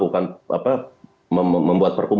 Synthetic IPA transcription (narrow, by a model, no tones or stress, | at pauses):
kukanʔa̰pa | məmbuat̪̚pərkum